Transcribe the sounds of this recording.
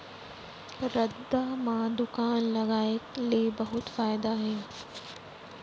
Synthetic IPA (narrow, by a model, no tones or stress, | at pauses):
ɾɐd̪amãd̪ʊkaːnlɐɣaːekleːbɐɦʊt̪faːɪd̪aɦeː